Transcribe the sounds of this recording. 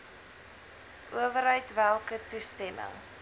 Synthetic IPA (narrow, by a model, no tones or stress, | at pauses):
ʔuəvəɾɦəɥtvælˠkətustɛmə̰ŋ